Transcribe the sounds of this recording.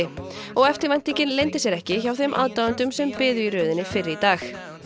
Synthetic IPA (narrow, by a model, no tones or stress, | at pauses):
ɪ | ɔɣɛft̪ɪɾvajn̥t̪icɪnlejnt̪ɪsjɛɾɛhcɪçawθemʔa̰ːðt̪aːwant̪ʏmsɛmpɪːðʏiɾœːðɪnɪfɪrɪit̪aːx